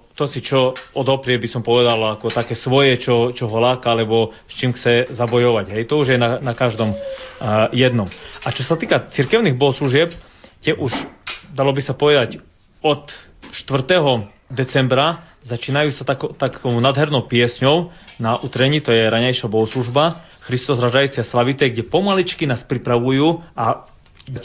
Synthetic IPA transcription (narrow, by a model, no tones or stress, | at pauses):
t̪ɔsit͡ʃɔɔd̪ɦɔpɾɪɛbisɔmpɔʋɛd̪alakɔt̪akɛːsʋɔjɛt͡ʃɔt͡ʃɔɦɔlaːkaalɛbɔ | st͡ʃiːmxt͡sɛzabɔjɔʋaɟɦɛjt̪ɔuʒjɛnanakaʒd̪ɔm | jɛd̪nɔmʔat͡ʃɔsat̪iːkat͡sirkɛʊniɣbɔɦɔsluʒɪɛp̚ | t̪ɪɛʔuʃd̪alɔbisapɔʋɛd̪ac | ɔt̪ | ʃt̪ʋr̩t̪ɛɦɔ | d̪ɛt͡sɛmbɾa | zat͡ʃiːnajuːsat̪akt̪akʰɔʊnaːd̪ɦɛɾnɔʊpɪɛsɲɔʊnaʔut̪ɾɛɲiːt̪ɔjɛɾaɲajʃabɔɦɔsluʒba | xɾist̪ɔzɾaʒajt͡sɪaslaʋit̪ɛːɡɟɛpɔmalit͡ʃkinaːspɾipɾaʋujuːʔa